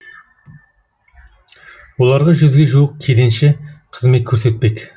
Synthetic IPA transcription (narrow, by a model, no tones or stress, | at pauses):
wo̞lˠɑɾʁɑʒʏzɡʲeʒuəq̚kʲʰed̪enʃɪqʰəzmekʲʰɵɾse̞t̪̚pe̞kʲ